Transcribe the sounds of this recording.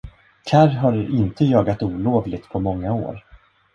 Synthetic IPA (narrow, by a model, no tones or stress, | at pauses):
kʰaɾɦaɾɪnt̪əjɑːɡat̪uːloːvlɪɡ̚t̪pʰɔmɔŋːao̰ːɾ